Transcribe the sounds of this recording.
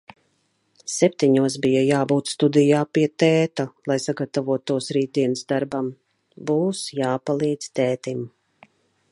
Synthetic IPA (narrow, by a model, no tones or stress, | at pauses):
sɛp̚t̪iɲuɔs̬bijajaːbuːt̪st̪ud̪ijaːpiɛt̪ɛːt̪alˠajsaɡat̪avuɔt̪uɔsɾiːt̪̚d̪iɛnɨzd̪aɾbam | buːsjaːpalˠiːd̪z̥t̪ɛːt̪im